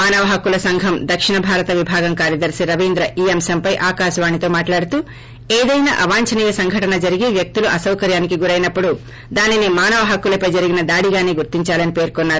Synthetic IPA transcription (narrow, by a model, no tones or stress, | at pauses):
maːnɐʋɐɦɐkːulɐsɐŋɡʱɐmd̪ɐkʂiɳɐbʱaːɾɐt̪ɐʋibʱaːɡɐmkaːɾjɐd̪ɐɾsiɾɐʋind̪ɾɐʔiːɐmsɐmpɐjʔaːkaːʃɐʋaːɳit̪o̞ːmaːʈlaːɽut̪u | eːd̪ɐjna̰ʔɐʋaːɲt͡ʃɐniːjɐsɐŋɡʱɐʈɐnɐd͡ʒɐɾiɡeʋjɐk̚t̪uluʔɐsɐwkɐɾjaːnikiɡuɾɐjnɐpːuɽu | d̪aːninimaːnɐʋɐɦɐkːulɐpɐjd͡ʒɐɾiɡinɐd̪aːɽiɡaːne̞ːɡuɾt̪iɲt͡ʃaːlɐnipe̞ːɾkɔnːaːɾu